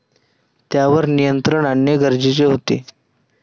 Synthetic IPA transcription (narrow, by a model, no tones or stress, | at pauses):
t̪jaʋəɾnijənt̪ɾəɳanjəɡʱəɾd͡ʑit͡ɕeɦot̪ḛ